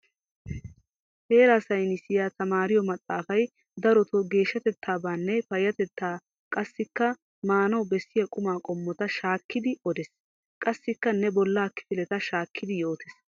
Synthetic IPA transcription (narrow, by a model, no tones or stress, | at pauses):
he̞ːɾaːsɐjnɪsɪjat̪ɐmaːɾɪjɔmɐt̪ʼːaːfɐj | d̪ɐɾɔt̪ɔɡe̞ːʃːɐt̪ɛt̪ʰːaːbaːnːɛfɐjɐt̪ɛt̪ʰːaː | kʼɐsːɪkːɐ | maːnɐwbɛsːɪjɐkʼʊmaːkʼɔmːɔt̪ɐʃaːkːɪd̪ɪɔd̪ɛs | kʼɐsːɪkːɐnɛbɔlːaːkɪ̥fɪlɛt̪ɐʃaːkːɪd̪ɪjo̞ːt̪ɛs